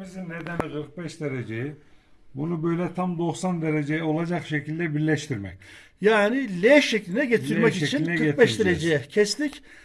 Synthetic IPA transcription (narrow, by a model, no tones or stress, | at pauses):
mizimned̪ænkʰɯɾk̚bɛʃd̪eɾed͡ʒejibunubø̞jlʲɛt̪ʰamd̪o̞ksand̪eɾed͡ʒejɛo̞lˠad͡ʒakʃecʰilʲd̪ɛbiɾlʲɛʃt̪ʰiɾmɛ̰c | jaːnilʲeʃːeclʲinɛɟet̪ʰiɾmɛcit͡ʃʰininɛɯɾet̪̚bɛʃd̪eɾed͡ʒejɛcʰɛslʲic